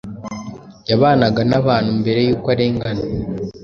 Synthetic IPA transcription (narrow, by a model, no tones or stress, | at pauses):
jaβaːnaɡanaβaːnhumbe̞ɾe̞juːkwaɾeːŋɡana